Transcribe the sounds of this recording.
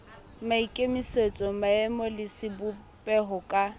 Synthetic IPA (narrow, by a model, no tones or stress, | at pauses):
maikʼemiset͡sʼɔmaɛmɔlɪsɪbʊ | pʼɛɦʊkʼa